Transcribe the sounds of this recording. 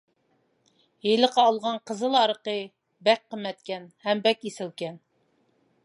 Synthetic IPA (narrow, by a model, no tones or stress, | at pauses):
jeləqɑːlˠʁɑɴqʰəzəlˠɑɾəqə | bæk̚ʲqəmːɛt̪kʲɛnhæmbɛkʲisɪlkʲɛn